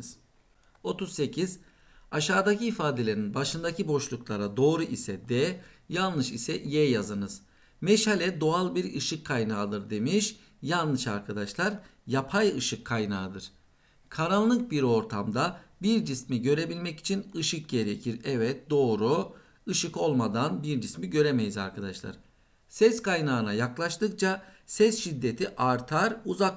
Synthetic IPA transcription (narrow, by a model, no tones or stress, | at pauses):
z̥ | o̞t̪uzse̞cʰiz̥ | aʃaːd̪aciːfaːd̪e̞lʲe̞ɾinbaʃɯnd̪acibo̞ʃlˠuklˠaɾad̪o̞ːɾuʔisɛd̪ɛjalˠnɯʃisɛʔjɛjazɯnɯz̥ | mɛʃhalʲɛd̪o̞alˠbiɾɯʃɯkʰːajnaːd̪ɯɾd̪e̞miʃ | jalˠnɯʃaɾkʰad̪aʃlˠaɾjapʰajɯʃɯkʰːajnaːd̪ɯɾ̥ | kʰaɾalˠːɯk̚biɾo̞ɾt̪ʰamd̪abiɾd͡ʒismiɟø̞ɾe̞bilʲmɛci̥t͡ʃʰinɯʃɯk̚ɟe̞ɾecʰiɾɛvɛt̪̚d̪o̞ːɾu | ɯʃɯko̞lˠmad̪anbiɾd͡ʒismiɟø̞ɾemejiza̰ɾkʰad̪aʃlˠa̰ɾ̥ | sɛskajnaːnajaklˠaʃt̪ɯk̚t͡ʃʰasɛsʃid̪ːe̞t̪ʰiʔaɾt̪ʰaɾuzak